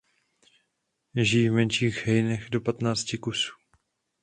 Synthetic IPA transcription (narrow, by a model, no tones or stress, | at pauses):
ʒijːvmɛnʃiːɣɦɛjnɛxdo̞pat̪naːt͡scɪkusu̥ː